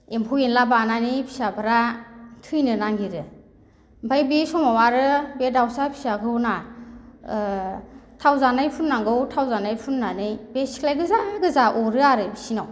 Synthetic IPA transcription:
empʰuwenlabananɯjpʰi̥sabaɾatʰɯjnɯnaŋɡiɾɯ | bajbisɔmawaɾɯbedawsapʰi̥saɡɯwna | tʰawzanɯjpʰunːaŋɡɯwtʰawzanajpʰunːanɯjbesi̥klajɡɯzaɡɯzaʔɔɾɯaɾɯbisinaw

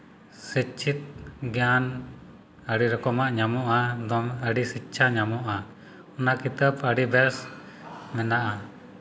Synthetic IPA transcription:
sit͡ʃʰit̪̚ɡjan | əɽiɾɔkɔmaʔɲamɔʔad̪ɔŋəɖisitːt͡ʃʰaɲamɔʔa | ɔnakit̪əpəɖibɛɾs | mɛnaʔa

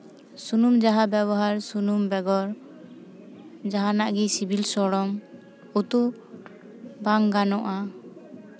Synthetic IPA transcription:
sunumd͡ʒaɦabɛbɔɦaɾsunumbɛɡɔɾ | d͡ʒaɦanaʔɡisibʱilsɔɽɔm | ut̪u | baŋɡanɔʔa

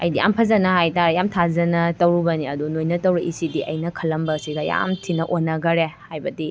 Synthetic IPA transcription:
ɐ̰jdija̰mpʰɐzɐnɐɦajtaɾejamtʰazɐnɐtɐwɾubɐniɐdunojnɐtɐwɾiʔisidiʔɐ̰jnɐkʰɐlːɐmbɐsiɡɐja̰mtʰinɐʔonːɐɡɐɾehajbɐdi

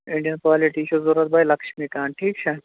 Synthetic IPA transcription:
ɪɳɖijənkʋaːliʈiːʃʰozuɾət̪̚baːjlɐkʃmiːkaːnʈʰiːk̚t͡ʃʰe

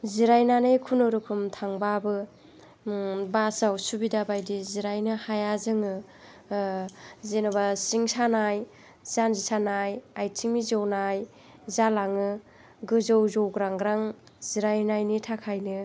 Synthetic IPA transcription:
ziɾajnanɯjkʰunɯɾɯkʰumtʰaŋbabɯ | basawsubidabajdiziɾajnɯhajazɯŋɯ | zenɯbasiŋsanaj | z̥anzisanajajtʰiŋmizownaj | zalaŋɯ | ɡɯzowzowɡɾaŋɡɾaŋ | ziɾajnajnitʰakʰajnɯ

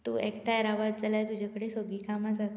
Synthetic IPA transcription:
t̪uːekʈaɾaʋat̪̚d͡zalajt̪ud͡ʑʱakəɽesoɡiːkamad͡zat̪

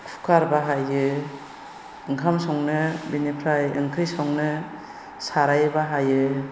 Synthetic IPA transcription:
kʰu̥kʰaɾbaɦajɯ | ɯŋkʰamsɔŋnɯbinipʰɾajɯŋkʰɾisɔŋnɯ | saɾajbaɦajɯ

